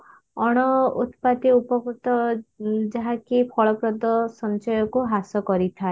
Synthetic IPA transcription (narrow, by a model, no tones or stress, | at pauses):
ɔɽ̃ɔṵt̪pat̪iupɔkut̪ɔ | d͡ʒaɦakipʰɔɭɔpɾɔd̪ɔsɔnt͡ʃɔjɔkuɦasɔkɔɾit̪ʰae